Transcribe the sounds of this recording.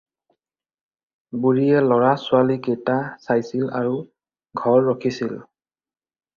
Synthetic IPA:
buɹijɛlɔɹasʊalikejtasajsila̰ɹu | ɡʱɔɹːɔkʰisil

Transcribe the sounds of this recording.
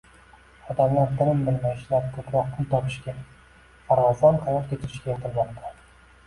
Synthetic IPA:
ɒd̪amlaɾt̪ʰɪɾɪmbɪlmajɪʃlaɾk̪ʰɵpɾɒq̚t̪ant̪ʰɒpɪʃɡʲa | pʰaɾvazɒɾqʰɑjɒɾkʲʰe̞t̪ʰɪɾɪʃkʲajɒpʰɨlˠbʲand̪a

